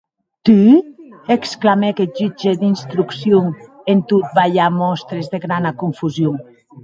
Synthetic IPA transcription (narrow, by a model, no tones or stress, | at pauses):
t̪i | eksklamekeʒid͡ʒed̪inst̪ɾuksjoŋ | ent̪ut̪̚baʎamɔst̪ɾezðeɣɾanakuɱfuzjoŋ